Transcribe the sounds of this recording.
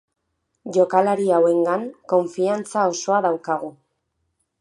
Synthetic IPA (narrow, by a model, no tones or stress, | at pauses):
ʝo̞kalaɾiawe̞ŋɡaŋko̞ɱfiant͡sao̞so̞aðawkaɣ̞u